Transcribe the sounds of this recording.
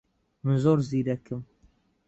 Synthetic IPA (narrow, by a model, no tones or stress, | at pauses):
mɨzoːɾziɾɛkʰɨm